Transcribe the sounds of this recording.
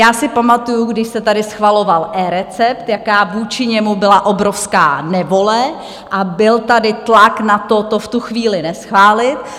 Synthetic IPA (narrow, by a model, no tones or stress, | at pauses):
jaːsɪpamat̪ujuɡdɪʃsɛt̪adɪsxvalo̞valʔɛːɾɛt͡sɛpt̪jakaːvuːt͡ʃɪɲɛmubɪlaʔo̞bɾo̞fska̰ːnɛvo̞lɛ | ʔabɪlt̪adɪt̪laknat̪ot̪oft̪uxviːlɪnɛsxvaːlɪt̪